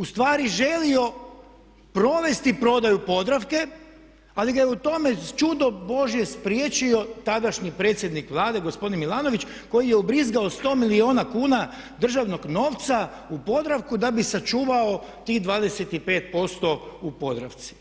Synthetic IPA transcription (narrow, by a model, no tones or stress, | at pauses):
ust̪ʋaːɾiʒelio̞ | pɾo̞ʋe̞st̪ipɾo̞d̪ajupo̞d̪ɾaʋke̞ | aliɡajeut̪o̞me̞t͡ʃud̪o̞bo̞ʒje̞spɾjeːt͡ʃio̞t̪ad̪aʃɲipɾe̞ːt̪sjed̪nikʋlˠaːd̪e̞ɡo̞spo̞d̪inmilˠaːno̞ʋit͡ʃ | ko̞jijeubɾizɡaost̪o̞ːmilio̞ːnakuːna | d̪r̩ʒaʋno̞ɡno̞ːʋt̪sa | upo̞d̪ɾaʋkud̪abisat͡ʃuːʋao̞t̪id̪ʋaːd̪e̞se̞t̪ipe̞ːt̪̚po̞st̪o̞upo̞d̪ɾaʋt̪si̥